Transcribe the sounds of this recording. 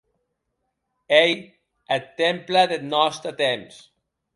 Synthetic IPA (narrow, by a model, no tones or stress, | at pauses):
ej | et̪ːemplaðenɔst̪ət̪ems